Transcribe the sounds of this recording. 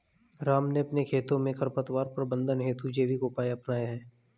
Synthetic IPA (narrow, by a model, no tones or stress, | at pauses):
ɾaːmneɐpnekʰeːt̪õmẽkʰəɾpət̪ʋaːɾpɾəbə̃nd̪ʱənɦeːt̪ud͡ʒeːʋikoːpaːjaɐpnaːjaɦɛː